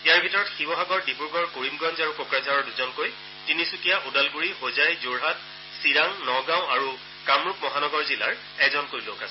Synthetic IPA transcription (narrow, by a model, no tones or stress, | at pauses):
ijaɹbʱitɔɹɔtxibɔɦaɡɔɹdipuɹkɔɹkoɹimɡɔnzaɹukokɹazaɹɔɹduzɔnkoj | tinisukijaʔudalɡuɹixozajzoɹɦat | siɹaŋnɔɡãw̃aɹu | kamɹuk̚mɔɦanɔɡɔɹzila̰ɹ | ɛkzɔnkojlokasɛ